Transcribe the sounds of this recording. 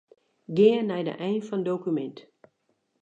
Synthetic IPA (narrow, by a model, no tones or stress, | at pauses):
ɡɪənːɛjdə̰ʔɛjnfɔndowkymɛnt